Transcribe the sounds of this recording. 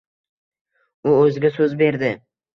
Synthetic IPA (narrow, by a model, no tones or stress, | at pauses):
ʊɵzɪɡʲasɵzbe̞ɾd̪ɪ